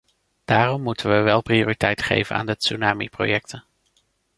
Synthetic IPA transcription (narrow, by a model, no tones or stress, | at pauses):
d̥aːrɔmːutənʋəʋɛlˠprioːritɛjtχḛjvə̰na̰ːndətsunaːmḭpro̰jɛk̚tʰə